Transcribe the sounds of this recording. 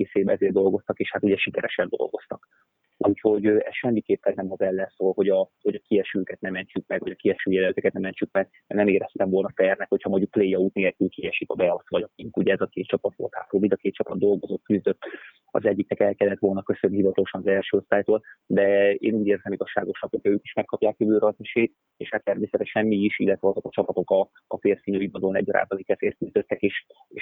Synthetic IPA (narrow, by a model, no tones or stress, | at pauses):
eːseːbɛɛzeːrd̪o̞lɡo̞st̪ɒkeːʃhat̪uɟɛʃikɛɾɛʃɛnd̪o̞̰lɡo̞̰st̪ɒk | ʔuːcho̞ɟøɛʃɛmːikeːpːɛnːɛmɒzɛlːɛnsoːlho̞ɟɒho̞ɟɒkiɛʃyːkɛt̪nɛmɛɲt͡ʃyk̚mɛɡvɒɟɒkiɛʃyːjɛlɛøt̪økɛt̪nɛmɛɲt͡ʃyk̚mɛɡ̚ | nɛmeːɾɛst̪ɛɱvo̞lnɒtɛrnɛkho̞chɒmoɟɟuk̚pleːjːɒuːt̪neːlkylkiɛʃikɒbɛɒsʋɒɟɒkiŋkuɟɛɛzɒkeːt̪̚t͡ʃɒpɒt̪ʋo̰lt̪ha̰ːt̪ɾoːlid̪ɒkeːt̪t͡ʃɒpɒd̪̚d̪o̞lɡo̞zo̞t̪kyzd̪øt̪ː | ɒ̰zɛɟːiknɛkɛlkɛlːɛt̪ʋo̞lnɒkøsønːihivɒt̪ɒloʃɒnɒzɛlʃøːo̞st̪aːjt̪oːld̪ɛḛːnuːɟeːrzɛmiɡɒʃːaːɡo̞ʃnɒkho̞cʰɒøːki̥ʃmɛkːɒpjaːkjøbøːɾɒzɛʃeːt̪ | eːʃhat̪ːɛrmeːsɛt̪ɛʃɛnmiiʃilːɛt̪ʋɛɒzo̞kɒt͡ʃɒpɒt̪o̞kɒː | feːrfiɲøibɒd̪olnɛ̰ɟːɒɾa̰ːbɒnikɛzeːr̚kyzd̪ø̞t̪ːɛkeːʃ | eːʃ